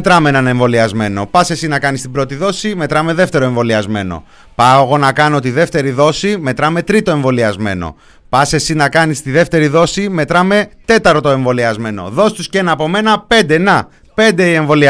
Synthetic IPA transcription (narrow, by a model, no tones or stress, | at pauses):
t̪ɾɐmeenɐne̞ɱvo̞liɐzme̞no̞̰pɐse̞sinɐkɐnist̪ibɾo̞t̪iðo̞sime̞t̪ɾɐme̞ðe̞ft̪e̞ɾo̞e̞ɱvo̞liɐzme̞̰no̞̰ | pɐoɣo̞nɐkɐno̞t̪iðe̞ft̪e̞ɾiðo̞sime̞t̪ɾɐme̞t̪ɾit̪o̞e̞ɱvo̞liɐzme̞̰no̞̰ | pɐse̞sinɐkɐnist̪iðe̞ft̪e̞ɾiðo̞sime̞t̪ɾɐme̞t̪e̞t̪ɐɾt̪ot̪o̞e̞ɱvo̞liɐzme̞no̞̰ðo̞si̥t̪usceenɐːpo̞me̞nɐpe̞nd̪enɐ | pe̞nd̪e̞ie̞ɱvo̞li